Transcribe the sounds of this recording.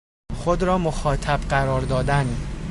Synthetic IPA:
xod̪ɾɒːmoxɒːt̪ʰæbɢæɾɒːɾd̪ɒːd̪æn

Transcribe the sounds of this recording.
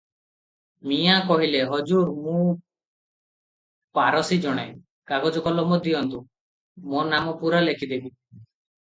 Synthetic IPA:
mijakɔɦileɦɔd͡ʒuɾmũ | paɾɔsid͡ʒɔɽ̃ḛ | kaɡɔd͡ʒɔkɔlɔmɔd̪iɔnt̪u | monamɔpuɾalekʰid̪ebi

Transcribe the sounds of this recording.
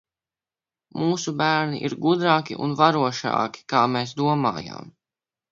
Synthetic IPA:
muːsubæːɾniʔiɾɡud̪ɾaːkʲḭʔṵnvaɾuɔʃa̰ːkʲi̥kaːmeːs̬d̪uɔma̰ːja̰ːm

